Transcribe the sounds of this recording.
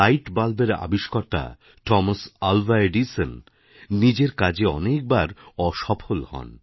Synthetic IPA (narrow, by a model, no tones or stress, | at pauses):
ajʈbalbeɾa̰biʃkɔɾt̪a̰ | ʈɔmasalvaeɖisən | nid͡ʑeɾkad͡ʑeɔ̰nek̚baɾɔʃɔpʰolhɔ̰n